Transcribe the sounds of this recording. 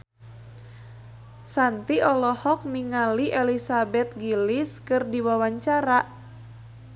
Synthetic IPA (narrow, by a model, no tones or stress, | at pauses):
sant̪iɔlɔhɔk̚niŋaliʔɛlisabɛt̪̚ɡiliskɨrdiwawaɲt͡ʃaɾaʔ